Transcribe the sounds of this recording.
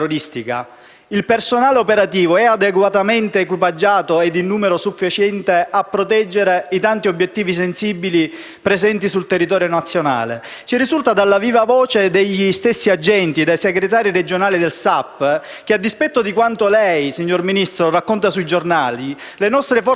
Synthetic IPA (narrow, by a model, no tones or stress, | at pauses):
oɾist̪ika̰ | ilpersonaːleopeɾat̪iːvoɛad̪eɡwat̪ament̪eːkwipad͡ʒːaːt̪oed̪ːinːuːmeɾosufːit͡ʃɛnt̪eʔapːɾot̪ɛd͡ʒːeɾeit̪ant̪iobːjet̪ːiːvisensiːbili | pɾezɛnt̪isult̪erːit̪ɔːɾjonat̪sːjona̰ːlḛ | t͡ʃirisult̪ad̪alːaviːvavɔːt͡ʃed̪eʎːist̪esːiad͡ʒːɛnt̪id̪ejseɡɾet̪aːɾiɾed͡ʒonaːlid̪elsapː | k̟ead̪ːispɛt̪ːod̪ikwant̪olɛjsiɲːorminist̪ɾorakːont̪asuid͡ʒornaːli | lenɔst̪ɾefɔ